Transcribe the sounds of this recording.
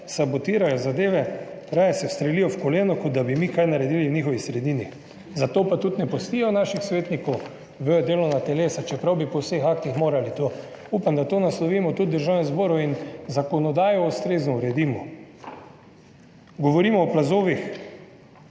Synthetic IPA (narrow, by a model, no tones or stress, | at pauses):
sabot̪iːɾajɔzad̪eːʋɛ | ɾaːjasɛwst̪ɾɛlijɔfkɔleːnɔkɔd̪̚d̪abimikajnaɾɛd̪iːliwnʲiːxɔʋisɾɛd̪iːni | zat̪oːpat̪ut̪nɛpɔst̪iːjɔnaːʃixsʋeːt̪nikɔw | ʋød̪eːlɔnat̪ɛleːsat͡ʃɛpɾawbipɔwsexak̚t̪ixmoːɾalit̪o | upamd̪at̪oːnaslɔʋimɔt̪ud̪̚d̪əɾʒaːwnɛzboːɾɔinzakɔnɔd̪aːjɔust̪ɾeːznɔuɾɛd̪iːmɔ | ɡɔʋɔɾiːmɔːplazoːʋix